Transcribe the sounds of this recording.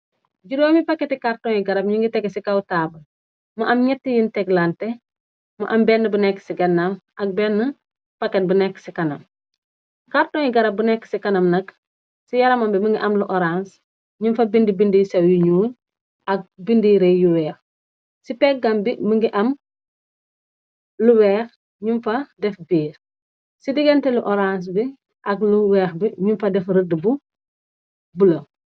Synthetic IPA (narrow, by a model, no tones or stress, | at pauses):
ɟuɾoːmipaketikaɾtoːŋjiɡɐɾɐb̚ɲiŋɡitɛɡesikawtaːbɐl | mɐʔɐmɲɛtːijintɛɡlante | mɐ̰ʔɐmbɛnːɐbunɛkːsiɡɐnːamɐk̚bɛːnːə | paket̚bunɛkːsikɐnɐm | kartõːjiɡɐɾɐbunɛkːsikɐnɐmnɐk | sijɐɾɐmɐmbiməŋɡiʔɐmluʔoɾans | ɲunfɐbindibindisɐwjuɲuːɲ | ɐk̚bindiɾejuwɛːx | sipɛk̚ɡɐmbimiŋɡiʔɐm | luwɛːx | ɲumfɐdɛfbiːɾ | sidiɡɛntɛluʔoɾans̬bi | ʔɐkluwɛːxbiɲumfɐdɛfɾədbu | bulo